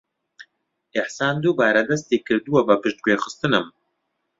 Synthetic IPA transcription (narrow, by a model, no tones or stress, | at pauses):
ʔɪħsaːnd̪uːbaːɾɐd̪ɐst̪eːkʰɨɾd̪uwɐbɨpɨʃt̪̚ɡʷweːxɨst̪ɨnɨm